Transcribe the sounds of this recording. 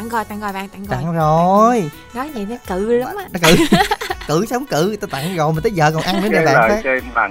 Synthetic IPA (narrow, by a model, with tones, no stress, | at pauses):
a˨˧˩ŋɣɔ˨˩jt̪a˧˩ŋɣɔ˨˩jɓa̰ː˧˨ŋt̪a˧˩ŋt̪a̰˨˧˨ŋzo˨˩j | nɔ˨˦jna˨˩jnɔ˨˦kɨ˧˩la˨˦˧wŋ͡mʔaː˧n˨˦kɨ˧˩kɨ̰˧˨sə˨˦wŋ͡mkɨ˧˨t̪aː˧t̪a̰˧˨ŋzɔ˨˩jma˨˩t̪əː˨˦jzəː˧˨˩kɔ˨˩nʔa˧nnə˨˦ə˧˨ɓa̰ː˨n˨˩fa˦˥ə˧a̰˧˩